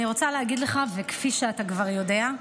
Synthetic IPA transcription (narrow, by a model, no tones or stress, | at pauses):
niʁo̞t͡saleɦaɡid̪le̞χavekfiʃeatakvaʁjo̞de̞a